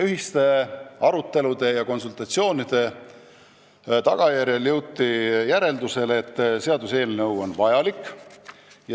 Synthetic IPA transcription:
yɦist̪e̞ɑɾut̪ːe̞lud̪̥e̞jɑko̞nsult̪ˑɑt̪sio̞ːnid̪̥e̞ | t̪ɑɡ̥ɑjæɾjeljɤwt̪ːijæɾe̞ld̪use̞let̪ːse̞ɑd̪̥use̞ːlnɤwo̞nvɑjɑlikːˑ | j

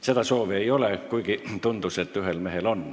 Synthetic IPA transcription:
set̪ɑsoːʋieiolekuikit̪und̪uset̪ːyhelmehelon

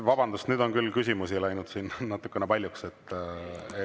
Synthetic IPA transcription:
vɑbɑnd̪ust̪nyːd̪o̞nkylːkysʲimusilæjnud̪̥sinnɑt̪ːˑu̥kːˑenepɑlʲjukset̪ːe

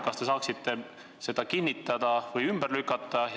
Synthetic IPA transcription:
kɑst̪e̞sɑːksit̪ːˑe̞ | se̞d̪̥ɑkinʲːit̪ːˑɑd̪̥ɑvɯjymb̥erlykːˑɑt̪ːˑɑj

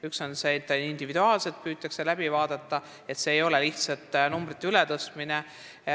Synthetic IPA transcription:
ykso̞nse̞t̪ːeind̪̥ivid̪̥uɑːlse̞lt̪̚pyːt̪ːˑɑkselæb̥ivɑːd̪̥ɑt̪ːɑ | e̞t̪se̞ːjo̞le̞liht̪sɑt̪ːˑnumbrit̪ːeylet̪ɤst̪mine

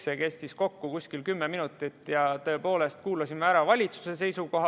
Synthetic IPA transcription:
seke̞st̪isko̞kːukusʲkilkymːe̞minut̪ːˑit̪ːˑjɑt̪ø̞po̞ːle̞st̪kuːlɑsimeæɾɑvɑlʲit̪su̥se̞se̞jsuko̞ɦɑ

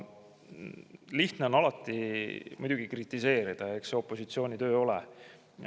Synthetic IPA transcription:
liht̪neo̞nɑlɑt̪ːˑimṵjd̪̥uɡ̥ikrit̪ːˑise̞ːɾid̪̥ɑe̞kseo̞pˑːo̞sit̪sio̞ːnʲit̪ø̞ːo̞lɛ

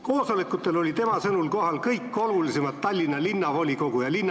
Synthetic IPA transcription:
ko̞ːsolekːˑut̪ːˑe̞lo̞lʲit̪e̞mɑsɤnulko̞ɦhɑlkɤjkːˑo̞lulisemɑd̪̥̚t̪ɑlʲːinːɑlinːɑvo̞lʲiko̞ɡ̥ujɑlinː

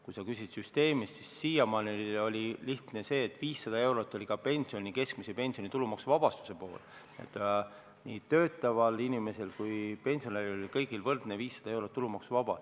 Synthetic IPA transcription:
kujsɑkysid̪̥syst̪e̞ːmist̪sisːijɑmɑniio̞lʲiliht̪nese̞ːt̪ːˑviːsːɑd̪ɑe̞wɾo̞t̪ːˑo̞lʲikɑpe̞nʲsio̞nʲike̞skmisepe̞nʲsionit̪ulumɑksuvɑb̥ɑst̪u̥se̞po̞ːl | ḛt̪ːˑ | niːt̪ø̞ːt̪ˑːɑvɑlinime̞se̞lkujpe̞nʲsio̞neɾilolikɤjɡ̥ilvɤrd̪̥neviːsːɑ̥d̪̥ɑe̞wɾot̪ːulumɑksuvɑb̥ɑ̰

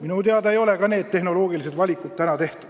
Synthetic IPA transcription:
minut̪eɑd̪ɑejo̞le̞kɑne̞ːd̪t̪e̞hno̞lo̞ːɡ̥ilise̞d̪vɑlʲikːˑut̪̚t̪ænɑt̪e̞ht̪ud̥̪

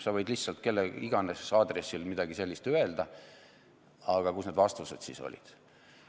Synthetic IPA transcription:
sɑvɤjd̪lihtsɑlt̪̚ke̞lːeiɡ̥ɑnessɑːd̪resːilmid̪̥ɑɡ̥ise̞lʲːist̪øe̞ld̪ɑ | ɑɡ̥ɑkusne̞d̪vɑst̪used̪̥siso̰lʲḭd̪̥

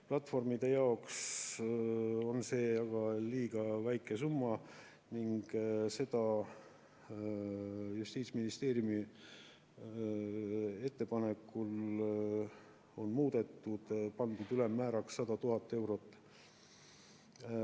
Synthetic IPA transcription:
plɑt̪ːˑfo̞rmid̪̥e̞jɑo̞ks | o̞nse̞ːɑɡ̥ɑliːɡ̥ɑvæjkːˑe̞sumːɑ | niŋɡ̥se̞d̪̥ɑ | just̪iːt̪sʲminist̪e̞ːɾjumi | e̞t̪ːe̞pɑnekːul | o̞nmuːd̪̥e̞t̪ːud̪̥pɑnd̪ud̪ylemːæːɾɑksːɑd̪̥ɑt̪uɦɑt̪ːˑe̞wɾo̞t̪ːˑ

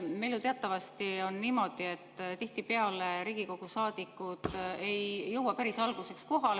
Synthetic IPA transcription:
meljut̪eɑt̪ːˑɑvɑst̪io̞nniːmo̞d̪̥ie̞t̪ːˑt̪iht̪ipeɑleɾiːɡ̥iko̞ɡ̥usɑːd̪̥ikːˑud̪̥ejjɤwɑpæɾisɑlɡ̥use̞ksko̞ɦɑl

